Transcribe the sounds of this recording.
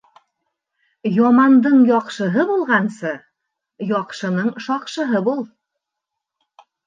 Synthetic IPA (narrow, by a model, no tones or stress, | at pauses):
jɒmɑnd̪ɤɴjɒqʃɤ̆ɦɤbulˠʁɑnsɤ | jɒqʃɤ̆nɤɴʃɑqʃɤ̆ɦɤbulˠ